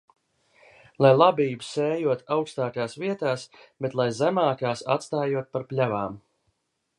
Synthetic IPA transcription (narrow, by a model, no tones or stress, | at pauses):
lˠajlˠabiːbusɛːjuɔt̪awkst̪aːkaːsviɛt̪aːsbet̪lˠajzæmaːkaːsa̰t̪st̪aːjuɔt̪̚paɾpʲlʲavaːm